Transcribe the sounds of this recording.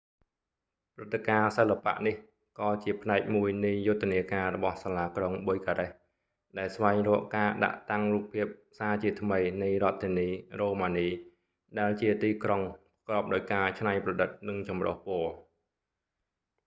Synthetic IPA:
prɨt̪ːekaːsəlːapa̰ʔnih | kɑːt͡ɕiəpʰnaɛk̚muəjnɨjːʊt̪ʰːeniəkaːrɔɓɑhsaːlaːkroŋɓojkaɾɛh | ɗaɛlsʋaɛŋrɔəʔkaːɗa̰ʔt̪aŋruːpʰːiəp̚saːt͡ɕiət̪ʰməjnɨjrŏət̪ʰːiəniːroːmaːniː | ɗaɛlt͡ɕiət̪iːkroŋ | kroəp̚ɗaɔjkaːt͡ɕʰnajprɑɗɨt̪̚nɨŋt͡ɕɑmro̰hpŏəl

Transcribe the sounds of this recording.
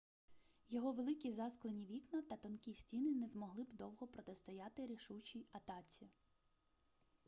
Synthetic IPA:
jɔɦɔʋelˠɪkʲizɑsklˠenʲiʋʲiknɐt̪ɐt̪ɔnkʲisʲtʲinɪnɛzmɔɦlˠɪbd̪ɔwɦɔpɾɔt̪est̪ɔjɑt̪ɪɾʲiʃut͡ʃʲiɐt̪ɑt͡sʲi

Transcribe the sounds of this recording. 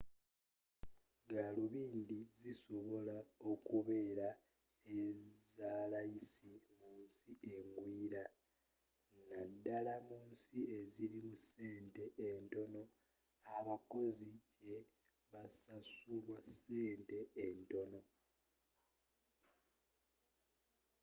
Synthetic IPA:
ɡaluβiːndiziso̞βo̞lao̞kuβe̞ːɾa | ezaːlaisimuːnsiʔe̞ŋɡwiːɾa | nadːalamuːnsieziɾimuse̞ːnte̞ʔento̞no̞ | aβako̞zice | βasasulwase̞ːnte̞ːnto̞no̞

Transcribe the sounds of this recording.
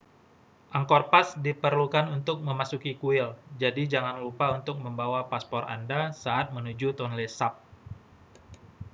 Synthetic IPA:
ʔaŋkɔrpasdipərlukanunt̪ʊk̚məmasukikuɪld͡ʒadid͡ʒaŋanlupaunt̪ʊk̚məmbawapaspɔra̰ndasaʔat̪̚mənud͡ʒut̪ɔnlesap̚

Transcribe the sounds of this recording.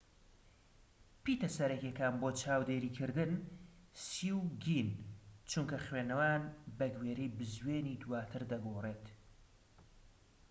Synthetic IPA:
piːt̪ɐsɐɾɐkekaːnboːt͡ʃʰaːwd̪eːɾiːkʰɨɾd̪ɨnsiwɡint͡ʃʰuŋkɐxweːnɐwaːnbɐɡweːɾejbɨzweːniːd̪uwaːt̪ʰɨɾd̪ɐɡoːreːt̪

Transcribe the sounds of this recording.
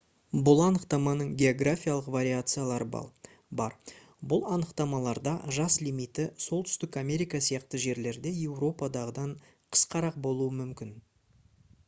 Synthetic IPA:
bʊlˠɑnəqt̪ɑmɑnəɴɡʲe̞o̞ɡrafʲijalˠəqvaɾʲiat̪sɨjalˠɑɾəbɑ̰ | bɑ̰ɾ | bʊlˠɑnəqt̪ɑmɑlˠɑɾd̪ɑʒɑslijmijt̪ɪso̞lˠt̪ʏ̥st̪ɪkamʲe̞ɾijkɑsijɑqt̪əʒe̞ɾle̞ɾd̪e̞je̞wro̞pɑd̪ɑʁəd̪ɑɴ | qʰə̥sqɑɾɑq̚bo̞lˠuəmʏmkʲɪn

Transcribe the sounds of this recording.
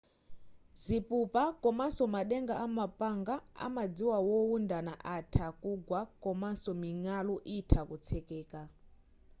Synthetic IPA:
zipupakʼɔmasɔmaɗɛŋɡaʔamapʼaŋɡaa̰mad͡ziwawɔundanaʔatʰakuɡwakʼɔmasɔmiŋalɔʔitʰakut͡sʰɛkɛːka

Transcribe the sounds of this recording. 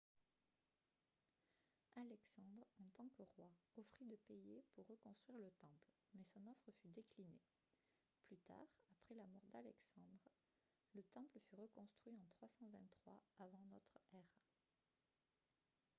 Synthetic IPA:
alɛksɑ̃d̪ʁɑ̃t̪ɑ̃kəʁwaɔfχid̪əpejepuʁːəkɔ̃st̪χɥiʁlət̪ɑ̃pl | mɛsɔ̃nɔfχəfyd̪ekline | plyt̪a̰ːʁapχɛlamɔʁd̪alɛksɑ̃d̪ʁ | lət̪ɑ̃pləfyʁəkɔ̃st̪χɥiɑ̃t̪χwasɑ̃vɛ̃nt̪ːχwaavɑ̃nɔt̪χɛʁ

